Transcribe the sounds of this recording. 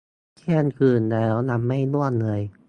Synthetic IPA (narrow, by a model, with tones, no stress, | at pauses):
kʰeː˥˩˨nkʰɯː˨˩nlɛː˦˥wna˧˥mːa˥˩jnu˥˩ən̚lɤː˧j